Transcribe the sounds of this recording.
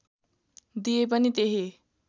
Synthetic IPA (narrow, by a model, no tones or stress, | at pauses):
d̪ijep̬ʌnit̪eɦi